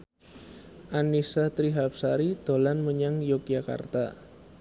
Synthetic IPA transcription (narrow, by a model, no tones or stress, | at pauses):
ʔanisat̪ɾiɦap̚saɾid̪̥o̤lanməɲaŋjok̚d͡ʒaka̰rt̪a̰